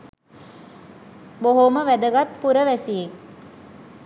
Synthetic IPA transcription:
boɦoməʋæd̪əɡat̪̚puɾəʋæsie

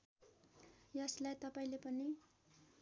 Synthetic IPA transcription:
jʌslajt̪ʌpaĩlepʌni

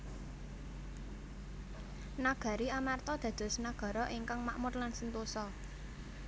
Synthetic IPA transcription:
naɡ̥ä̤ɾiamart̪ɔd̪̥ä̤d̪̥ɔ̤snaɡ̥ɔ̤ɾɔʔiŋkaŋmaʔmʊrlansənt̪usɔ

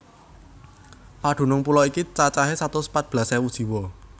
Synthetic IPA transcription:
paɖ̪̥ṳnʊŋpulɔikit͡ʃat͡ʃaɦesat̪osə̥pat̪̚b̥lasɛwud̥ʒ̥i̤wɔ

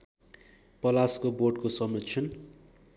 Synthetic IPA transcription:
pʌlaskoboɖkosʌmʌt͡sʰʌn

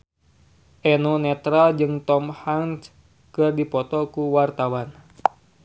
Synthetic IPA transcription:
ʔɛnunɛt̪ɾald͡ʒɨŋt̪ɔmhaŋs | kɨrdipɔt̪ɔkuwart̪awan

